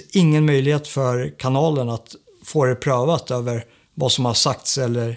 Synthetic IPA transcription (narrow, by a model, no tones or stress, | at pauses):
ɪŋːənmœjlɪheːt̪fœɾkʰanɑːlənat̪ | foːɾɛpʰɾøːvat̪øːvəɾ | vasɔmhaʂakt̪sɛlːəɾ